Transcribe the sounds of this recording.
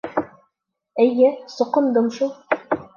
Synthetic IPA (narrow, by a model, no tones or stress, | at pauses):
ɘ̆jɘsŏqɤ̆nd̪ɤmʃulˠ